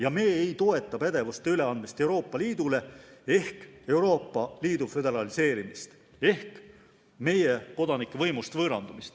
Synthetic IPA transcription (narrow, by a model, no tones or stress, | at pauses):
jɑme̞ːejt̪o̞e̞t̪ːˑɑpæd̪̥e̞vust̪e̞yle̞ɑnd̪mist̪e̞uɾo̞ːpˑːɑliːd̪̥ule̞e̞hke̞wɾo̞ːpːˑɑliːd̪ufø̞d̪e̞ɾɑlise̞ːɾimist̪ | e̞hk | me̞je̞ko̞d̪ɑnikːˑevɤjmust̪vɤːɾɑnd̪̥umist̪